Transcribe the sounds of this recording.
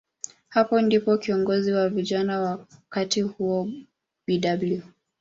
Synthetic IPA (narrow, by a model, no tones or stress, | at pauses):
hapɔndipɔkiɔŋɡɔziwaviʄanawakatihuɔ | ɓiɗablju